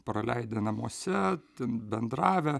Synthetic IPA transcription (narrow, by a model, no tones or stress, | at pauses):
pɾɐlʲɛɪd̪ʲenɐmuɔsʲɛt̪ʲɛnbʲɛnd̪ɾɑːʋʲɛ